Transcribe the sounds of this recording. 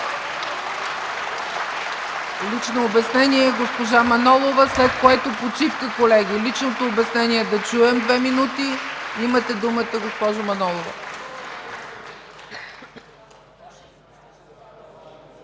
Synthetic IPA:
lit͡ʃnoːbɛsnɛniɛɡospoʒamɐnɔlˠovəslɛt̪̚koɛt̪opot͡ʃifkəkolɛɡʲilit͡ʃnot̪oːbɛsnɛniɛd̪ɐt͡ʃuɛmd̪vɛminut̪iimət̪ɛd̪umət̪əɡospɔʒomɐnɔlˠovə̰

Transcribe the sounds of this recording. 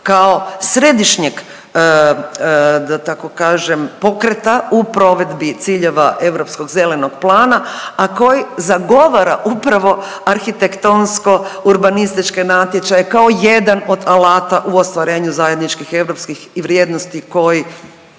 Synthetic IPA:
kao̞sɾe̞d̪iʃɲeɡ | d̪at̪ako̞kaːʒempo̞kɾet̪aupɾo̞ʋe̞d̪bit̪siːʎe̞ʋaʔe̞ʋɾo̞psko̞ɡze̞le̞no̞ɡ̥plˠaːnaako̞jizaɡo̞ʋaɾaʔupɾaʋo̞ | aɾxit̪ekt̪onsko̞uɾbanist̪it͡ʃkenat̪jet͡ʃajekaoje̞d̪ano̞d̪alaːt̪aʔuo̞st̪ʋaɾe̞ːɲuzajed̪nit͡ʃkixe̞ʋɾo̞pskixʋɾjeːd̪nost̪iko̞ji

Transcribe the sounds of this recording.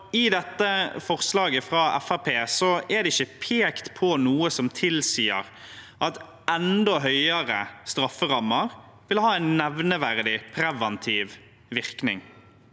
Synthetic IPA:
ɪd̪ɛt̪ːəfɔʁslɑːɡəfɾɑɛ̰fɑpʰeːsɔɛd̪ɛɪçːəpʰeːkt̪pʰɔnuːəsɔmt̪ʰɪlsiːə̰ɾ | ʔɑt̪ | ʔɛnd̪ɔɦœʏəɾə̰st̪ɾɑfːəʁɑmːəʁ | ʋɪlhɑːæɪnːɛʋnəʋæʁd̪ɪpʰɾɛʋɛnt̪ʰiːʋ | ʋɪʁknɪ̰ŋ

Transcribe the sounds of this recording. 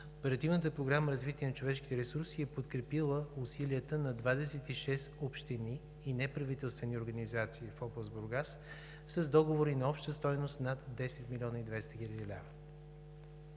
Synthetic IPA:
opɛɾɐt̪ivnət̪̬əpɾoɡɾaməɾɐzvit̪iɛnɐt͡ʃovɛʃki̥t̪ɛɾɛsuɾsiɛpot̪kɾɛpilˠəʊsilʲiət̪ənɐd̪vad̪ɛsɛt̪iʃɛst̪opʃt̪iniː | nɛpɾɐvit̪ɛlˠst̪vɛnioɾɡɐnizat̪siːfɔbˠzbʊɾɡas | səzd̪ɔɡovoɾinɐɔpʃt̪əst̪ɔjnost̪nat̪d̪ɛsɛt̪milʲɔnəid̪vɛst̪əxʲilʲɛɛlʲa̰və

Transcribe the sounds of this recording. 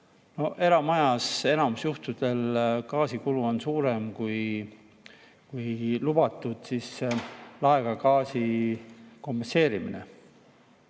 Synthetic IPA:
no̞e̞ɾɑmɑjɑse̞nɑmusjuht̪ud̪̥e̞lkɑːsikuluo̞nsuːɾe̞mkuj | kujlub̥ɑt̪ːˑud̪̥sislɑeɡ̥ɑkɑːsi | ko̞mpense̞ːɾiminḛ

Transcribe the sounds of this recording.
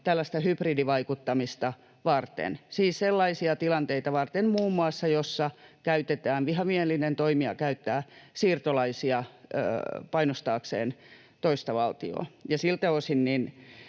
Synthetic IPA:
t̪ælːæst̪æhypridiʋɑikut̪ːɑmist̪ɑ | ʋɑrt̪ḛnsiːsselːɑisiɑt̪ilɑnt̪eit̪ɑʋɑrt̪emmuːmːuɑsːɑjosːɑkæyt̪et̪æːnʋiɦɑmieelːˑinent̪oimiɑ̰kæyt̪ːæːsiːrt̪olɑisiɑø̰ːpɑinost̪ɑːksḛːn | t̪oist̪ɑʋɑlt̪io̰ːjɑsilt̪eosinnin

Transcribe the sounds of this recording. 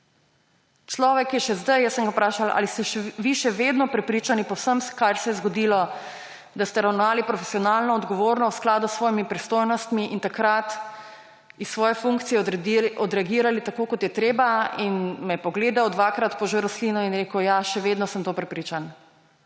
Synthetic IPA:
t͡ʃlɔːʋɛkjɛʃɛzd̪ajjəsːəŋɡapɾaːʃalʔa̰list̪ɛʃʋiʃɛʋed̪nɔpɾɛpɾiːt͡ʃanipɔwsəmkaɾsɛjɛzɡɔd̪iːlɔ | d̪ast̪ɛɾawnɔʋaːlipɾɔfɛsijɔnalnɔɔd̪ɡɔʋoːɾnɔwsklaːd̪usːʋɔːjimipɾist̪oːjnɔst̪miʔint̪akɾat̪ | isːʋɔːjɛfuŋkt̪sijɛɔd̪ɾɛaɡiːɾalit̪akoːkɔt̪jɛt̪ɾeːbainmɛpɔɡleːd̪awd̪ʋakɾat̪pɔʒeɾɔslinɔinɾeːkɔwjaʃɛʋed̪nɔsəmt̪oːpɾɛpɾiːt͡ʃan

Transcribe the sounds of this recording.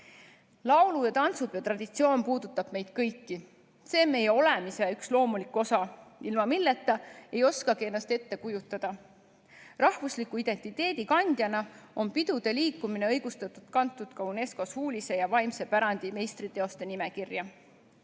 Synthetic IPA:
lɑwlujɑt̪ɑnt̪sub̥jɑt̪rɑd̪̥it̪sio̞ːnpuːd̪̥ut̪ːˑɑb̥me̞jd̪̥̚kɤjkːi | se̞ːme̞jeo̞le̞mise̞ykslo̞ːmulikːˑo̞sɑilmɑmilːet̪ːˑɑejo̞skɑɡie̞nːɑst̪e̞t̪ːe̞kujut̪ːˑɑd̪̥ɑ | rɑhvuslikːˑuid̪̥e̞nʲt̪ːˑit̪ːe̞ːd̪ikɑnʲd̪̥ʲjɑnɑo̞npid̪̥ud̪̥e̞liːkːˑumine̞ɤjɡ̥ust̪ɑt̪ːˑud̪̥kɑnt̪ːˑud̪̥kɑune̞sko̞shuːlʲise̞jɑvɑjmse̞pæɾɑnd̪̥ime̞jst̪rit̪e̞o̞st̪e̞nimekirjɑ

